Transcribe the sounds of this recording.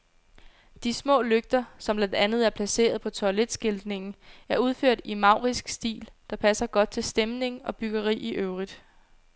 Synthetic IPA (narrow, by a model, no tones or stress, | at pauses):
d̥ismɔ̰̽ːløɡ̥̚d̥ɐsɒ̽mb̥lænd̥ænð̞̩ˠæɐpʰlæse̝̰ːɐðˠpʰɒ̽t͡sʰɒled̥sɡ̥e̝ld̥ne̝ŋn̩æɐuð̞ˠføɐ̰d̥imɑ̈ʊ̰ʁisɡ̥sd̥ḭːld̥ɑ̈pʰæsɐɡ̥ɒ̽d̥̚t͡sʰe̝lsd̥emne̝ŋɒ̽b̥yɡ̥ɐʁḭːiʔøʊʁid̥